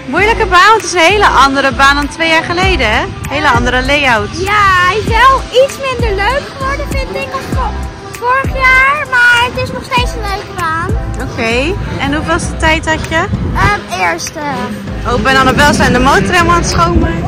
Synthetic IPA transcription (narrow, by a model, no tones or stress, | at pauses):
mujləkəbaːnʋɔntɪsənɦejləʔɑndəɾəbaːndɑntʋejaːɹχəlejdəɛɦejləɑndəɾəlejawtjaɛjɪsʋɛlˠitsmɪndəɹløɥkχəʋɔɹdəfɪntɪkɑs | fʊːɹəχjaːɹmaːɹətɪsnɔχstejtsənløɥkəbaːnowkejɛnɦuvɑlsdətɛjtɦɑcəəɪːɹstəʔowpɛnɑnɔbɛlˠsɛndəmowtəreməlˠaːntsχowmə